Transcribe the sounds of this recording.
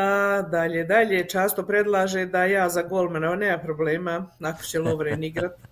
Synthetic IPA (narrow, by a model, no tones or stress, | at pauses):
ad̪aʎed̪aʎet͡ʃaːst̪opɾe̞d̪lˠaːʒed̪ajaːzaɡolˠmanaaneːmapɾobleːmanako̥t͡ɕeloʋɾeniɡɾat̪